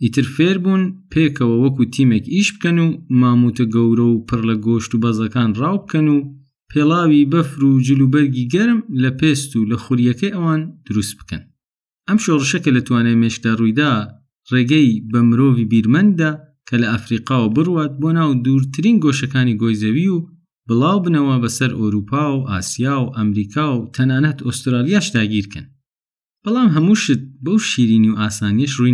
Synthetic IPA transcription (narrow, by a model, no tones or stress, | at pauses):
ʔiːt̪ʰɨɾfeːɾbunpʰeːkʰɐwɐwɐkut̪ʰiːmekiʃb̥ɨkɐnuːmaːmut̪ʰɐɡɐwɾɐwpʰɨrlɐɡoːʃt̪ubɐzɐkaːnrɑːwbɨkɐnuː | pʰelˠaːwibɐfɾud͡ʒɨluːbɐɾɡiɡɐɾmlɐpʰeːst̪ulɐxʊɾjɐkʰɐjʔɐwaːnd̪̥ʊɾust̪̚b̥ɨ̥kɐ̰n | ʔɐmʃorɨʃɐkɐlɐt̪waːnɐjmeʃkd̪arujd̪aː | reːɡɛjbɐmɨɾoːvibiːɾmɐnd̪ːa | kʰɐlɐafɾiːqɑːwɐbɨruwaːt̪̚boːnaːwd̪uːɾt̪ʰɨɾiːnɡoːʃɐkaːniɡojzɐwiu | bɨlˠaːwbɨnɐwɐbɐsɐɾʔowɾuːpʰaːwʔa̰ːsijaːwʔɐmɾiːkʰaːwt̪ʰɐnaːnɐt̪ost̪ɾaːlijaːʃd̪aːɡiːɾkʰɨ̰n | b̥ɐlˠɑːmɦɐmuːʃɨt̪̚bowʃiːɾiːniuʔaːsaːnijɐʃru